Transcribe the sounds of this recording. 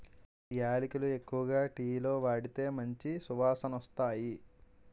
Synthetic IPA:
jaːlikulue̞kːuʋɐɡaːʈiːlo̞ːʋaːɽit̪e̞ːmɐɲt͡ʃisuʋaːsɐnɔst̪aːji

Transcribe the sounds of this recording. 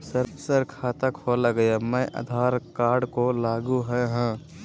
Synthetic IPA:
səɾpsəɾkʰaːt̪əkholəɡəjamɛ̃ʔə̰d̪ʱaːɾkaːɾɖkolaːɡuɦɛɦɛ̃

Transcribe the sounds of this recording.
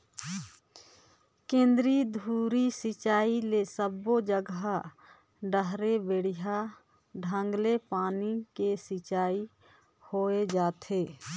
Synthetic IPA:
kẽːnd̪ɾid̪ʱuːɾisɪt͡ʃaːilesəbːod͡ʒəɡa | ɖəɦɾebeːɽija | ɖʱə̃ŋɡlepaːnikesɪt͡ʃaːi | hoed͡ʒaːt̪ʰeː

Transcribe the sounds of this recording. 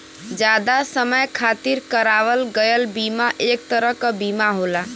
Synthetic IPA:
d͡ʒad̪asəməjkʰat̪iɾkəɾaʋəlɡəjəlbimaʔek̚t̪əɾəɦkəbimaɦola

